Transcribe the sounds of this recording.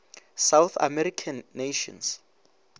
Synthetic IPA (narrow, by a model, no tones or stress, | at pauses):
sawθa̰mɛɾikʰanːeʃɔ̰̃ns